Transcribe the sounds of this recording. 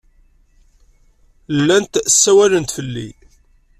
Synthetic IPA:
lːænt̪sːæwælənt̪fəlːḭ

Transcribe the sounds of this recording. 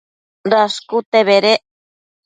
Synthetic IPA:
raskut̪eβeɾe

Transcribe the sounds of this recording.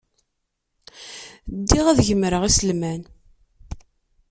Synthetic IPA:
d̪ːiʁæðʝəmɾəʁisəlmæn

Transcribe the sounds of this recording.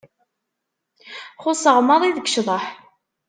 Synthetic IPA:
χʊsəʁmɑðˤiðəɡʃðˤəħ

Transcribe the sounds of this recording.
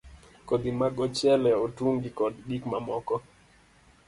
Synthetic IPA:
kod̪imaɡɔt͡ʃjɛlɛotuŋɡikɔdɡikmamɔkɔ

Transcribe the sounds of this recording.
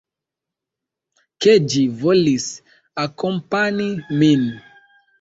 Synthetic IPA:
ked͡ʒivolis | akompanimin

